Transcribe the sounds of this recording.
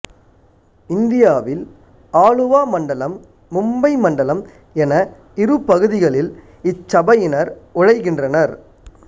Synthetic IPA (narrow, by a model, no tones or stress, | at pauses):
ɪnd̪ɪjaːʋɪl | aːɻɯʋaːmɐɳɖɐlɐmː | ʊmbɐɪmɐɳɖɐlɐm | ɛnɐ | ɪɾɯpːɐɣɯðɪɣɐɭɪl | ɪt͡ʃːɐbɐjɪnɐɾʊɻɐɪɣɪndrɐnɐɾ